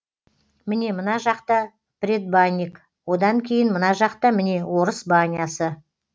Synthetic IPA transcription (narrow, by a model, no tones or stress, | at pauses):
mɪne̞mənɑʒɑqt̪ɑ | prʲed̪̚banʲːik | wo̞d̪ɑŋkʲʰe̞jɪnmənɑʒɑqt̪ɑmɪne̞wo̞ɾəsbanʲijasə